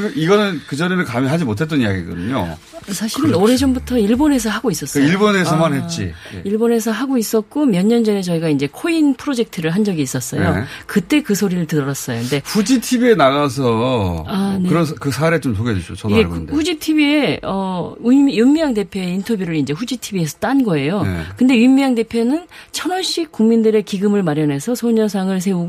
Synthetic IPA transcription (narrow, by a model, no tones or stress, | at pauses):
ɡɯiɡʌnɯnkɯd͡ʑʌɾenɯkamjʌnɦad͡ʑimotʰe̞t͈ʌnijaɡiɡɯdɯ̰ɲo̰ | sʰaɕʰiɾɯnoɾe̞d͡ʑombutʰʌiɭbone̞s̬ʰʌɦaɡois͈ʌs͈iɭbone̞sʰʌmanɦet̚t͡ɕ͈ḭjḛiɭbone̞s̬ʰʌɦaɡois͈ʌt̚k͈omjʌɲːʌnd͡ʑʌne̞t͡ɕʌiɡaind͡ʑe̞kʰoinpʰɯɾod͡ʑe̞k̚tʰɯɾɯɭɦand͡ʑʌɡiːs͈ʌs͈ʌjokɯt͈e̞kɯsʰoɾiɾɯɭtɯɾʌɾas͈ʌjoinde̞ɸud͡ʑitʰibienaɣasʰʌaneɯɾʌkɯsʰaɾet͡ɕomsʰoɡed͡ʑeɕʰot͡ɕʌiɡedhud͡ʑitʰibieʌujunmiaŋde̞pʰjoe̞intʰʌbjuɾɯɾind͡ʑe̞ɸud͡ʑitʰibiesʰʌt͈anɡʌe̞jokɯnde̞ɥimːiaŋde̞pʰjonɯn | t͡ɕʰʌnʌɭɕ͈ik͈uŋmindɯɾe̞kiɡɯmɯɭmaɾjʌnɦe̞sʰʌsʰoɲʌs̬ʰaŋɯɭs̬ʰe̞uɡ